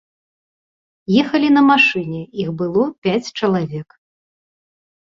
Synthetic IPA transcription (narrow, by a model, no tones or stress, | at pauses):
jɛxɐlʲin̪ɐmaʂɨnʲɛixbɨlˠɔpʲat͡sʲt͡ʂɐlˠavʲɛk